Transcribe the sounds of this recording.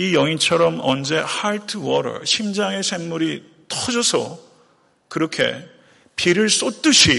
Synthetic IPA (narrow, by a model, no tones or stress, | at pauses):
ijʌŋit͡ɕʰʌɾʌmʌnd͡ʑe̞haɭtʰɯwʌɾʌ̰ɕʰimd͡ʑaŋe̞sʰemːuɾi | tʰʌd͡ʑʌsʰʌ̰ | kɯɾʌkʰe̞̰ | piɾɯɭs͈ot͈ɯɕʰi